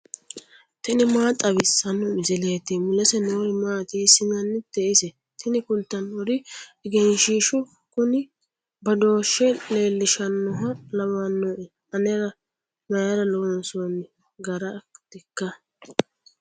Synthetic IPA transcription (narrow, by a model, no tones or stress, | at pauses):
t̪ɪnɪmaːt̪ʼɐbɪsːɐnːɔmɪzɪleːt̪ːimʊlɛsɛnoːɾɪmaːt̪isɪnɐnːɪd̪ɛʔɪsɛ | t̪ʰɪnɪkʊnt̪ːɐnɔɾɪɪɡɛnʃiːʃʊ | kʊnɪ | bɐd̪o̞ːʃːɛle̞ːlːɪʃɐnːʊɦɐlɐwɐnːɔʔɛ | ɐnɛɾɐ | nɐjɐɾɐlonson | ɡɐɾɐd̪̥ɛkːɐ